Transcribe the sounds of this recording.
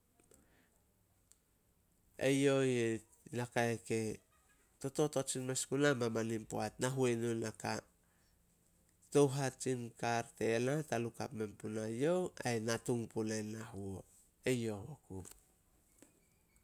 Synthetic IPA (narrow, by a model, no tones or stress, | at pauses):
ḛjo̞je | nakaeke̞ | to̞to̞tot͡ʃinmeskunamamanimpoatnaɦuenonaka | to̞wɦat͡ʃinkaɾtenataluka̰pme̞mpunajo̞wa̰jnatuŋpunaenaɦuo | e̞jo̞hokup